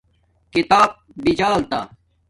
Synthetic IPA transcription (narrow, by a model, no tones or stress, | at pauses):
kit̪aːb̚bid͡ʑaːlt̪aː